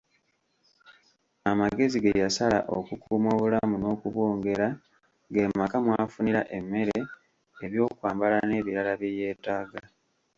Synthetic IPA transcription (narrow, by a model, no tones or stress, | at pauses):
amaɡe̞ziɡejasala̰ʔo̰kukuːmo̞ːβulamuno̞ːkuβwo̞ːŋɡe̞ɾa | ɡemakamwaːfuniɾa̰ʔe̞mːe̞ɾeː | βjo̞ːkwaːmbalane̞βiɾalaβjeje̞ːtaːɡa